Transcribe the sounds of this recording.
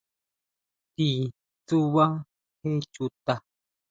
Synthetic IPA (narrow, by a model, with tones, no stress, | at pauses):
t̪i˨ | t͡su˦wa˦ | he˦t͡ʃu˨t̪a˨